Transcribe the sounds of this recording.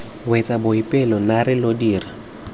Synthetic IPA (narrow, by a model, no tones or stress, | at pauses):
wɛt͡sʼabʊipʼɪlɔnaɾɪlodiːra